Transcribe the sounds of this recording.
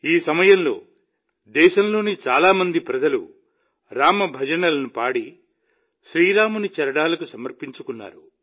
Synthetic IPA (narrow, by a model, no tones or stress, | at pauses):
iːsɐmɐjɐmlo̞̰ː | d̪ɛːʃɐmlo̞ːnit͡ʃaːlaːmɐnd̪ipɾɐd͡ʒɐlṵ | ɾaːmɐbʱɐd͡ʒɐnɐlɐnupaːɽi | ʃɾiːɾaːmunit͡ʃɐɾɐɽaːlɐkusɐmɐɾpiɲt͡ʃukunːa̰ːɾu